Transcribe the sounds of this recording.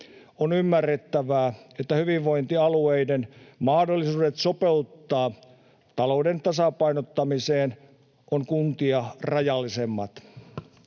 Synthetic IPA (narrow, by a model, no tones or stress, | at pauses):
onymːærːet̪ːæʋæːet̪ːæhyʋiʋʋo̞int̪iɑlueidenmɑhdolːisuːdet̪sopeut̪ːɑː | t̪ɑloudent̪ɑsɑpɑinot̪ːɑmiseːn | ʔoŋkunt̪iɑrɑjɑlːisemːɑt̪